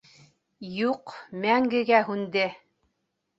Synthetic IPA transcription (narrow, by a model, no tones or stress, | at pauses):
juqmæŋɡɘ̆ɡæɦʉnd̪ɘ